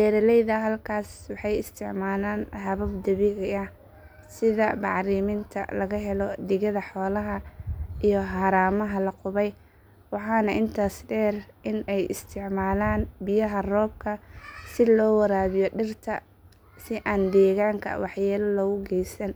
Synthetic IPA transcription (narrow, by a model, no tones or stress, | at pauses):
dɛːɾɐlɛjðɐɦɐlkʰaːswɑħɑjɪst̪ʰɪʕmaːlaːnɦɐβɐbd̪ɐβɪɣɐɐh | sɪðɐbɑʕɾiːmɪnt̪ʰɐ̰lɐɣɐɦɛlɔd̪ɪɣɐðɐħɔːlɐɦɐʔijɔɦɑːɾaːmɐɦɐlɐqʊβɛj | wɑħɑːnɐʔɪnt̪ʰaːsɖɛːrʔɪnɛjɪ̰st̪ʰɪʕmaːlaːnbɪjɐɦɐrɔːb̚kʰɐsɪlɔːwɐɾaːβɪjɔɖɪrt̪ʰɐ̰ | sɪʔaːnd̪ɛːɣaːŋkʰɐ̰wɑħjaːlɐlɔːɣʊɡɛjsɐn